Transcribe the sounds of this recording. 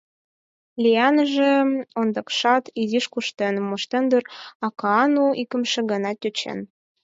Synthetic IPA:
lʲiɑnəʒĕond̪ɑkʃɑt̪id̪iʃkuʃt̪enmoʃt̪end̪ərɑkɑɑnuʔikə̆mʃĕɡɑnɑt̪ʲøt͡ɕḛn

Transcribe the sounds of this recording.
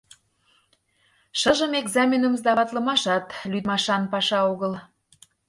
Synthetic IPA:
ʃɤʒəmeɡzɑmʲenəmzd̪ɑβɑt̪lə̆mɑʃɑt̪lyd̪mɑʃɑnpɑʃɑoɣəl

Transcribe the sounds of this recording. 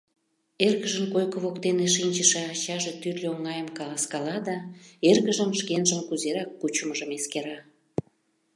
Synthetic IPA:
erɣəʒəmkojkə̆βokt̪eneʃ̬inʲt͡ɕəʃeɑt͡ɕɑʒet̪yrlʲeoŋɑjəmkɑlɑskɑlɑd̪ɑerɣəʒəmʃkenʒəmkuzeɾɑkːut͡ɕəməʒəmeskeɾɑ

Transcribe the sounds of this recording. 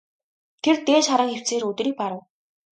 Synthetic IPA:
t̪ʰert̪eːt͡ɕχaɾə̆ŋxew̥t͡seːɾɵt̪̆ɾiːk̚paɾə̆w

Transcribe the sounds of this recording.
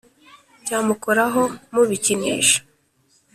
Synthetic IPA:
caːmukoɾaɦo̞muβicineːʃḁ

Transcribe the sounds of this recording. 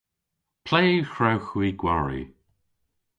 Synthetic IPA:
pʰl̥ejxɹawxwiːɡwaɹḭ

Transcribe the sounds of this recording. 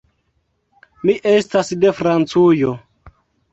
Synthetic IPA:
miʔestasdefɾant͡sujo

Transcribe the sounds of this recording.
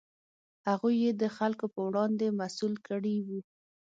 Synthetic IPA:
haɣujːed̪əxalkopəwɽɑnd̪emasulkəɽiwi

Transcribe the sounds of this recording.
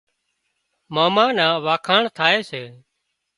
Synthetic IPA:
maːmãːnãːʋaːkʰaːɳt̪ʰaːeːseː

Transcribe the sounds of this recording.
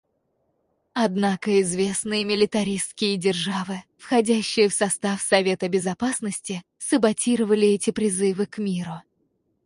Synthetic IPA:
ɐd̪nakəɪzvʲe̞snɨjəmʲɪlʲɪt̪ɐɾʲist̪kʲɪjədʲɪrʐavɨfxɐdʲæɕːɪjəfsɐst̪afsɐvʲe̞t̪əbʲɪzɐpasnəsʲtʲɪ | səbɐtʲiɾəvəlʲɪɛtʲɪpɾʲɪzɨvɨkmʲiɾʊ

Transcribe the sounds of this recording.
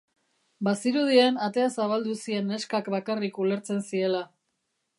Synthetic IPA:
basiɾuð̞ienat̪e̞asaβald̪usie̞ne̞skakbakarikule̞ɾt͡se̞nsie̞la

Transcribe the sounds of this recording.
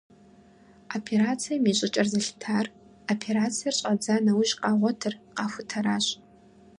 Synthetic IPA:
opʰeɾat͡sʰijamiɕʷʼɪt͡ʃʼɐrzɨɬtʰaːr | opʰeɾat͡sʰijart͡ʃʷʼad͡zanawʊʒqʼaːʁʷɔtʰɨrqafʷʊtʰaɾaːɕ

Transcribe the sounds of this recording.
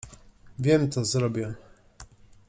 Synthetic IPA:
vʲjɛmt̪sɔzɾɔbʲjɛ

